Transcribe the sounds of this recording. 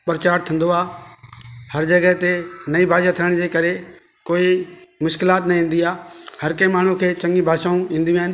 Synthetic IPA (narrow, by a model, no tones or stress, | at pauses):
pəɾt͡ɕaːɾt̪ʰə̃nd̪oaː | hɐɾd͡ʑɐɡəɦt̪enɐibʱaːd͡ʒat̪ʰiəɽ̃d͡ʑeːkɐɾe | koːimʊʃkɪlaːt̪nɐĩːnd̪iaːhɐɾkəmaːɳ̤ũkʰeːt͡ɕɐ̃ŋɡĩbʱaːʃãːũĩːnd̪j̃aːɦɪn